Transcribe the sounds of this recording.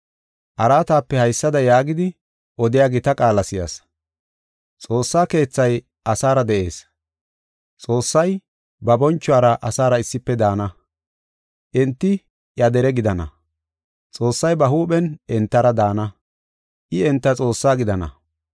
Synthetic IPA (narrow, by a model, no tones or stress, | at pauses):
ʔɐɾaːt̪aːpːɛhɐjsːɐd̪ɐjaːɡɪd̪ɪ | ʔɔd̪ɪjaːɡɪt̪ɐkʼaːlɐsɪja̰s | t͡sʼo̞ːsːaːke̞ːt͡sːɐj | ʔɐsaːɾɐd̪ɛʔe̞ːs | t͡sʼo̞ːsːɐj | bɐbɔnt͡ʃːʊwaːɾɐʔɐsaːɾɐɪsːɪpːɛd̪aːnɐ | ʔɛnt̪ːɪ | ʔjɐd̪ɛɾɛɡɪd̪ɐnɐ̰ | t͡sʼo̞ːsːɐjbɐɦuːɓɛnɛnt̪ːɐɾɐd̪aːnɐ | ʔɪɛnt̪ːɐt͡sʼo̞ːsːaːɡɪd̪ɐnɐ̰